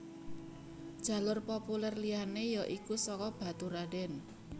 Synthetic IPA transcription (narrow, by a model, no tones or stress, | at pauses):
d̥ʒ̥a̤lʊrpopulɛrlianejɔʔikusɔkɔb̥ä̤t̪uɾaɖɛn